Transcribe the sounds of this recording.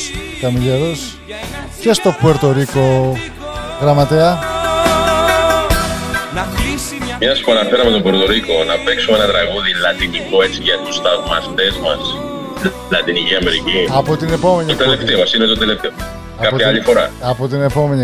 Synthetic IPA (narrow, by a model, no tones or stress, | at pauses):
kɐmiʎeɾos | cest̪o̞bo̞ɾt̪oɾiko̞ | ɣɾɐmɐt̪eɐ | mɐspuɐnɐfe̞ɾɐme̞t̪obo̞ɾt̪o̞ɾiko̞nɐpe̞ksumenɐt̪ɾɐɣuðilɐt̪iniko̞e̞t͡siʝɐt̪ust̪ɐvmɐst̪e̞zmɐs | lɐt̪iniciɐme̞ɾiciɐpot̪ine̞po̞me̞niot̪eleft̪eomɐsinet̪ot̪eleft̪eomɐ | ɐɐapoçɐɐʎifo̞ɾɐ̰ɐpot̪̬ine̞po̞me̞ni